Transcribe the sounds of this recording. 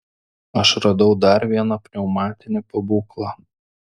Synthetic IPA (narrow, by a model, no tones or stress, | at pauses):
ɐʃɾɐd̪ɐʊd̪ɐɾʋʲiɛnɐpʲɾʲɛʊmɑːt̪ʲɪnʲɪpɐbuːklˠɑ